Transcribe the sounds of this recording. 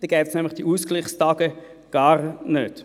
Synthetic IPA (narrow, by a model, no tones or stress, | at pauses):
d̥ɛɡ̥ɛːpsnɛmlɪχd̥iʔuːskliχstɑːɡ̥ə | ɡ̥ɑːɾnøːd̥